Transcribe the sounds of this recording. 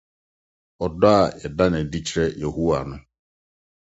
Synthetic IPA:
ɔ˨da˨ɛ˨da˦nɛ˨di˦t͡ʃɾɛ˦je˨ɦu˦a̰˨nʊ̃˦

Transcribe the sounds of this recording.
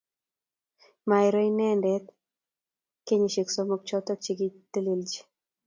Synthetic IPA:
ma˨jɾo˦inɛ˦ndɛ˦t̪ | ke˦ɲi˨ʃi˨kso˦mɔ˨k̚t͡ʃɔ˦t̪ɔ˦k̚t͡ʃi˦ɡi˦t̪e˦li˨ld͡ʒi̥˦

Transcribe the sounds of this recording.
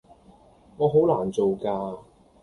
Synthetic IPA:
ŋɔː˨˧ɦo˨˥wlaː˨˩nt͡so˨wkaː˧

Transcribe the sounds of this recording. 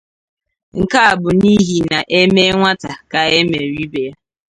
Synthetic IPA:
ŋ̩˨ka˦a˨bʊ˨ni˦ɦi˨na˨ʔe˦me˦ŋʷa˦ta˨ka˨e˦me˨ɾi˦be˨ja˦

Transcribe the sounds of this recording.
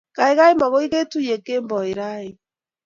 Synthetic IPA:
ka˨e˦ɣa˦e˦ma˨ɣo˦i˦ɣe˦tu˦je˨ke˦mbɔ˨e˨ɾa˦i˨

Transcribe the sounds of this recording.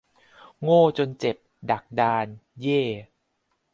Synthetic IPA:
ŋoː˥˩t͡ɕo˧nt͡ɕe˨˩p̚da˨˩k̚daː˧njeː˥˩

